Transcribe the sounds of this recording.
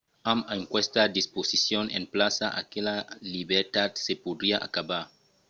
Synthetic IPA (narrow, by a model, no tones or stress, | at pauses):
amaŋkwest̪ad̪isposisjonḛmplasaʔa̰kelaliβeɾt̪at̪sepod̪ɾiaʔa̰kaβaɾ